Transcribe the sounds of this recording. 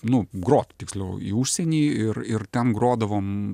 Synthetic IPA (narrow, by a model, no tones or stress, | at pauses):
nʊɡɾoːt̪t̪ʲɪksʲlʲɛʊḭːuːʃʲsʲɛnʲiːɪrɪrt̪ʲɛnɡɾoːd̪ɐʋoːm